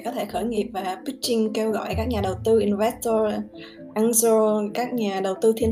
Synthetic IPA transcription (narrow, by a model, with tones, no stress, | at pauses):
kɔ˨˦t̪ʰe˧˩xəː˧˩jŋḭ˨˩əp̚vaː˨˩ɓi˦˥k̚t͡ɕï˧ŋ̟ke˧wɣɔ̰˧˨jkaː˦˥k̚ɲaː˨˩ɗə˨˩wt̪ɨ˧ʔi˧nvɛ˦˥st̪o˧ | ʔaː˧ŋzo˧kaː˦˥k̚ɲaː˨˩ɗə˨˩wt̪ɨ˧t̪ʰi˧ə